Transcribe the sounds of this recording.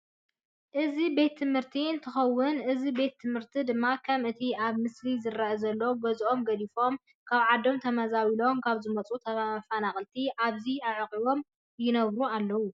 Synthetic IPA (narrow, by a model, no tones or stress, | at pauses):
ʔɨzibe̞t̪ʰːɨmhɨɾt̪ʰiɨnt̪ʰɨxɐwːʊnɨzibe̞t̪ʰːɨmhɨɾt̪ʰid̪ɨmːakʰɐmʔɨt̪ʰiʔaβmɨslizɨɾaʔɐzɐlːɐwbɐzʔo̞mɡɐlifo̞m | kʰaβʕad̪o̞mt̪ʰɐmɐzawilo̞mkʰaβzɨmɐt͡sʼut̪ʰɐβafanaχʼɨlt̪ʰiʔaβziaʕkʼiβo̞m | jɪnɐβɾualːɐwu